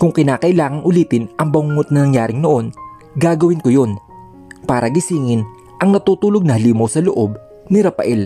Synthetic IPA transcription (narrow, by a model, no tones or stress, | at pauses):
kʊŋkɪnaːkɐʔɪlaːŋɐŋʔʊliːt̪ɪnʔɐŋbɐŋuːŋot̪̚nɐnɐŋjaːɾɪŋnoʔo̞n | ɡaːɡɐwɪnkojo̞n | paːɾɐɡɪsiːŋɪn | ʔɐŋnɐt̪uːt̪uːloɡ̚nɐhɐliːmɐwsɐloʔo̞b̚ | nɪɾɐpɐ̰ʔɛl